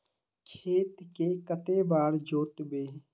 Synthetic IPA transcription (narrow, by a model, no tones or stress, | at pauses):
kʰeːt̪kekət̪ebaːɾd͡ʒoːt̪beː